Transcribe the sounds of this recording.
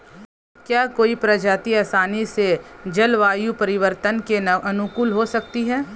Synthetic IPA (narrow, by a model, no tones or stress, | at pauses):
kjaːkoːipɾɐd͡ʒaːt̪iaːsaːnised͡ʒɐlʋaːjupɐɾɪʋəɾt̪ənkenʔɐnʊkuːlɦosɐk̚t̪iɦɛː